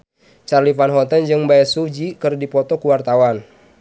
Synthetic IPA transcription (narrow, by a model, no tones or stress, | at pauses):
t͡ʃarlifanɦɔt̪ənd͡ʒɨŋbaɛsud͡ʒikɨrdipɔt̪ɔkuwart̪awan